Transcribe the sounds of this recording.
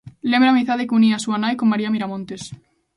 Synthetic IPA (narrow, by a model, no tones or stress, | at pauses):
lembɾeamiθaðekuniasuanajkomːaɾiamiɾamõnt̪es